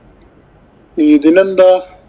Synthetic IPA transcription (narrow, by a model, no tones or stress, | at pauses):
iːd̪inɐnd̪aː